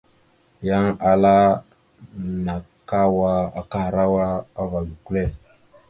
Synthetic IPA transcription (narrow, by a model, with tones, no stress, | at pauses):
ja˦ŋa˨la˦ | na˨ka˦wa˦a˨ka˦˨ɾa˦wa˦a˦va˨bi˨ku˦le˦˨